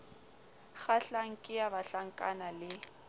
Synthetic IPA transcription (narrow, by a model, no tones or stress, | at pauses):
ɣaɬaŋ̩kʼɪjaβaɬaŋ̩kʼanalɪ